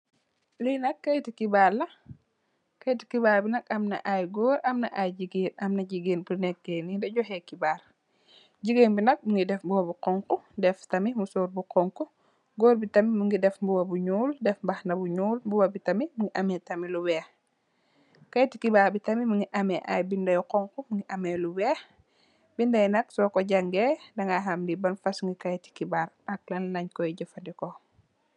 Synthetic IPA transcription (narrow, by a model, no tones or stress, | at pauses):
linɐkːɐjtikibaːlːɐ | kɐjti̥kibaːlbinɐkɐmnɐ̰ʔajɡɔːɾɐmnɐ̰ʔajɟiɡiːnɐmnɐɟiɡiːnbunɛk̚ːenidɛɟɔhɛkibaːɾ | ɟiɡeːnbinɐk̚muŋɡidɛfbuwɐbuqɔŋkudɛftɐmimusoːɾbuqɔŋku | ɡɔːɾbitɐmimuŋɡidɛfbuwɐbuɲuːldɛfbɐxnɐbuɲuːlbuwɐbitɐmimuŋɡiʔɐmɛtɐmiluwɛːx | kɐjtikibaːɾbitɐmimuŋɡiʔɐmɛʔa̰jbindɐjqɔŋkumuŋɡiʔɐmeluwɛːx | bindɐjnɐksɔkɔɟɐŋɡedɐŋɡaɦamdibɐnfɐsŋɡikɐjti̥kibaɾ | ɐk̚lɐnnɐɲkɔjiɟəfɐndikɔ